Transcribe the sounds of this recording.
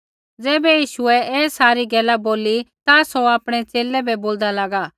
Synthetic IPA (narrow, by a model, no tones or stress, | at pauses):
d͡zɛːbɛjiːʃʊɛɛːsaːɾiɡɛːlaboːlit̪asɔaːpɽ̃ɛt͡seːlɛbɛboːld̪alaːɡaː